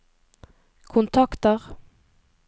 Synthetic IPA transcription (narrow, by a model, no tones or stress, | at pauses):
kʰʊnt̪ʰɑkt̪əʁ